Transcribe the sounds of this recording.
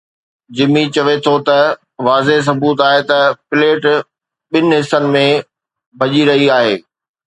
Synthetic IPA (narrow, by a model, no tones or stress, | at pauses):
d͡ʑɪmit͡ɕɐʋet̪ʰot̪ɐ | ʋaːzeɦs̬ɐbuːt̪aːɦet̪ɐpɪleːʈ | ɓɪnɪɦɪsːənɪ̆mẽ | bʱɐʄiɾɐɦiaːɦeː